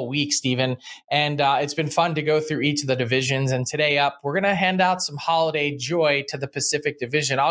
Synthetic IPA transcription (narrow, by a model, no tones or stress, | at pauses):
wikstivɨ̃nʔɨ̃nɪtsb̥ɨ̃nfʌ̃ntɨɡoʊθɹʉit͡ʃʌvðɨdɨvɪʒɨ̃nzɨ̃ntʰɨɾeɪʌp̚wəɹɡʌnɨɦæ̃ndaʊtsʌ̃mhɑlˠəɾeɪd͡ʒɔɪɾɨðɨpʰɨsɪfɨk̚d̥ɨvɪʒɨ̃naɪ